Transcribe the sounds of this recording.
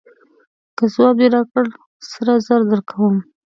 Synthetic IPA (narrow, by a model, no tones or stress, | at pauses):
kəzwɑb̪eɾɑkəɽ | saɾazaɾd̪əɾkʰawəm